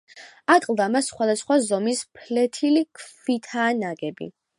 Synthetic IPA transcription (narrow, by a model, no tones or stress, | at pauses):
akʼlˠd̪amasːχwad̪asχwazɔmispʰlɛt̪ʰilikʰvit̪ʰaːnaɡɛbḭ